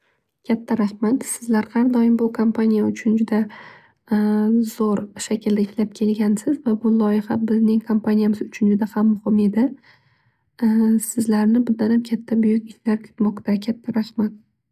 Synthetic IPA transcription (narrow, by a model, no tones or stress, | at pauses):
kʲʰat̪ʰːaɾaχmat̪sɪzlaɾhaɾd̪ɒjɪmbʊkʰompʰanijaʊt͡ʃʰʊnd͡ʒʊd̪a | z̥oɾʃakʲʰɪld̪aɪflap̚kʲʰe̞lɡʲansɪzvabʊlˠɒjɪhabɪznɪŋkʰompanijamɪzʊt͡ʃʰʊnd͡ʒʊd̪ahamːʊhɪme̞d̪ɪ | sɪzlaɾnɪbʊd̪anamkʲʰat̪ʰːabʊjʊkʲɪʃlaɾkʲʰʊ̥t̪mɒqt̪ʰakʲʰat̪ʰːaɾahmat̪̚